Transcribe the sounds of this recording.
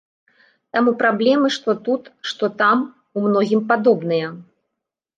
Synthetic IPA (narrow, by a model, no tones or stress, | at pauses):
t̪amupɾablʲɛmɨʂt̪ɔt̪ut̪ʂt̪ɔt̪am | umnɔɣʲimpad̪ɔbnɨjɐ